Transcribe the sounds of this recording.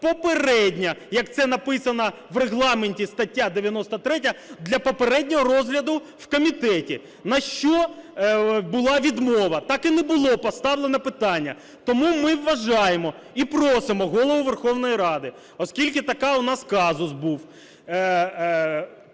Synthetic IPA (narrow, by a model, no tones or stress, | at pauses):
pɔpeɾɛdʲnʲɐjɐk̚t̪sɛnɐpɪsɐnɐʋreɦlˠɑmenʲtʲist̪ɐtʲːad̪eʋʲjɐnɔst̪ɐt̪ɾɛtʲɐd̪lʲɐpɔpeɾɛdʲnʲɔɦɔɾɔzɦlʲɐd̪ʊ | wkɔmʲit̪ɛtʲi | nɐʃt͡ʃɔ | bʊlˠɑʋʲid̪mɔʋɐt̪ɑkɪnɛbʊlˠɔpɔst̪ɑwlˠenɐpɪt̪ɑnʲːɐ | t̪ɔmumɪwːɐʒɑjemɔ | ipɾɔsɪmɔɦɔlˠɔʋʊʋerxɔwn̪ɔjiɾɑd̪ɪ | ɔskʲilʲkɪt̪ɐkɑʊnɑskɑzʊsbuw